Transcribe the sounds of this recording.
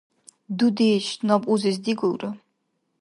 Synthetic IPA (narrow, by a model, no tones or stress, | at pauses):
d̪ud̪iʃnɔpʼuzis̬d̪iɡuɾɔ